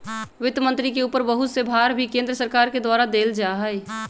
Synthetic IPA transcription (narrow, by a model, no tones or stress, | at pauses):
ʋɪt̪mə̃nt̪ɾikeuːpəɾbəɦʊt̪sebʱaːɾbʱikẽnd̪ɾəsəɾkaːɾked̪waːɾad̪eːld͡ʒaɦəj